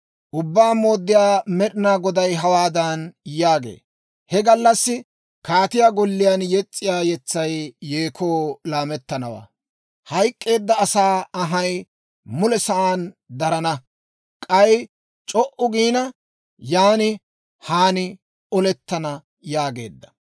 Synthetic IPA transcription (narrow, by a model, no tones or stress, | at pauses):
ʔʊbːaːmo̞ːd̪ːɪjaːmɛɗɪnaːɡɔd̪ɐjɦɐwaːd̪ɐnjaːɡḛː | hɛɡɐlːɐsːɪ | kaːt̪ɪjaːɡɔlːɪjanjɛt͡sʼːɪjaːjɛt͡sːɐjːeːkʰo̞ːlaːmɛt̪ːɐnɐwa̰ː | hɐjkʼːe̞ːd̪ːɐːsaːɐɦɐj | mʊlɛsɐʔaːnd̪ɐɾɐnɐ | kʼɐj | t͡ʃʼɔʔʊɡiːnɐ | jaːnɪ | haːnɪ | ɔlɛt̪ːɐnɐ | jaːɡe̞̰ːd̪ːɐ̥